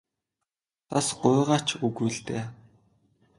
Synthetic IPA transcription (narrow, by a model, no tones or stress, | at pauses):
t̪asɢʊːʁaːt͡ɕʰuɣuːɮt̪eː